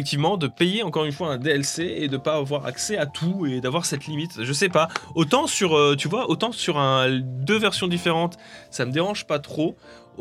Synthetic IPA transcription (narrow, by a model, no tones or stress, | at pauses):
ɛk̚t̪ivmɑ̃d̪əpejeɑ̃kɔʁynfwaɛ̃d̪eɛlseed̪əpaːvwaʁa̰ksɛat̪ʰued̪avwaʁsɛt̪limit̪ʒəsɛpaot̪ɑ̃syʁøt̪yvwaʔot̪ɑ̃syʁɛ̃d̪øvɛʁsjɔ̃d̪ifeʁɑ̃t̪saməd̪eʁɑ̃ʒpat̪χo